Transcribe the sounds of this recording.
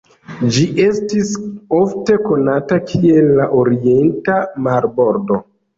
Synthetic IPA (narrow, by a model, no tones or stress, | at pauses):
d͡ʒiʔe̞stisofte̞ko̞natakʰie̞lːaʔoɾie̞ntamaɾbo̞ɾdo̞